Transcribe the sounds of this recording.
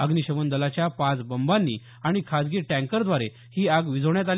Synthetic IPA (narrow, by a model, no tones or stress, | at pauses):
ə̰ɡniɕəʋənd̪əlat͡ɕjapãt͡sbəmbanːḭː | aɽ̃ikʰad͡zɡiʈæ̃ŋkəɾd̪ʋaɾe | hiːaɡʋid͡zʱəʋɳjat̪al